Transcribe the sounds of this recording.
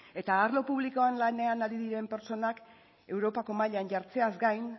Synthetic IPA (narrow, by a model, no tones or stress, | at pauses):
e̞t̪aːɾlo̞puβ̞liko̞anlane̞anaɾiðiɾe̞mpe̞ɾt͡so̞nak | e̞wɾo̞pako̞maʎanʝaɾt͡se̞azɡajn